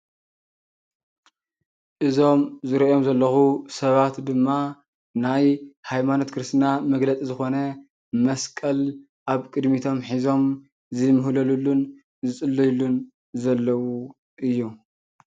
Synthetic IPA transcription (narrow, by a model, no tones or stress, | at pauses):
ʔɨzo̞mzɨɾɐʔjo̞mzɐlːɐxusɐβat̪d̪ɨmːa | najhajmano̞t̪kʰɨɾɨst̪namɐɡlɐt͡sʼizɨxo̞nɐ | mɐskʼɐl | ʔaβkʼɨd̪mit̪ʰo̞mħizo̞m | zɨmɨɦlɐlulːun | zɨt͡sʼɨlːɐjlun | zɐlːɐwu | ʔɨjːu